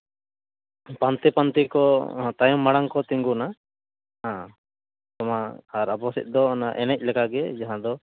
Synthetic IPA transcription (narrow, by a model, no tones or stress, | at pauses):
pant̪ipant̪ikɔt̪ajɔmːaɽaŋkɔt̪iŋɡuna | ɦã | t̪ɔmaːɾabɔsḭt̪̚ˀd̪ɔnaʔɛnɛc̚ˀlɛkaɡɛd͡ʒaɦãd̪ɔ